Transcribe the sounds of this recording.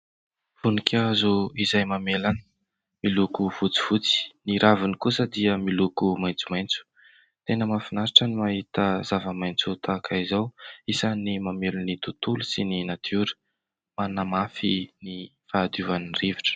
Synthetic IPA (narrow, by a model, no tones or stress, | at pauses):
funikʲazuizajmamelanə | milukuv̥ut͡si̥v̥ut͡si̥niɾavinikusəd̪iəmilukumajnt͡sumajnt͡su̥ | t̪enəmafinaɾiʈ͡ʂənimaɦit̪əzavəmajnt͡sut̪akʰaizawisanimamelunit̪ut̪ulusininat̪ʰuɾə̥ | manamafinifaːd̪uvaniriviʈ͡ʂə̥